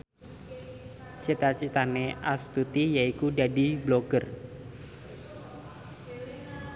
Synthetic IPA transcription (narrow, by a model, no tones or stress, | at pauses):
t͡ʃit̪at͡ʃit̪aneʔast̪ut̪ijaikudadibloɡ̥ər